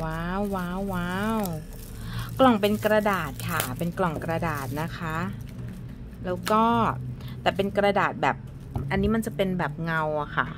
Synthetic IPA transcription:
waː˧˥˩wːaː˧˩wːaː˦˧˥w | klɔ˨˩ŋpe˧nkɾa˧daː˨˩t̪̚kʰa˥˩pe˧nklɔ˨˩ŋkɾa˧daː˨˩t̪̚na˦˥kʰa˦˥ | lɛː˦˥wkɔː˥˩t̪ɛː˨˩pe˧nkɾa˧daː˨˩t̪̚bɛː˨˩p̚ | ʔa˧nːiː˦˥ma˧nt͡ɕa˨˩pe˧nbɛː˨˩p̚ŋa˧wa˨˩kʰa˥˩

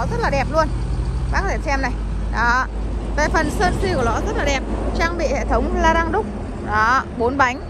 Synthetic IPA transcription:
zə˦˥t̚laː˨˩ɗɛ˨˩p̚lu˧ən | ɓaː˧˥kɔ˨˦t̪ʰe˧˩sɛ˧mna˨˩j | ɗɔ˨˦ | ve˨˩fə˨˩nsəː˧nsi˧ku˧˩˨lɔ˨˦zə˦˥t̚laː˨˩ɗɛ˨˩p̚t͡ɕaː˧ŋɓḭ˧˨hḛ˧˨t̪ʰə˨˦wŋ͡mlaː˧ɗa˧ŋɗʊ˦˥k͡p̚ | ɗɔ˨˦ɓo˨˦nɓa˨˦jŋ̟

